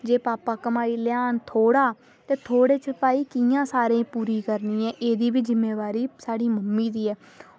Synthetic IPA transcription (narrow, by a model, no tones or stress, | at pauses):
d͡ʒeːpaːpaːkəmaːiːljaːnt̪ʰoːɽaː | t̪eːt̪ʰoːɽeːt͡ʃʰəpaːiːkɪjãːsaːɾẽːpuːɾiːkəɾniːɛ̃ːʔeːd̪iːbɪt͡ʃzɪmːeːʋaːɾiːsaːɽiːməmːiːd̪iːɛː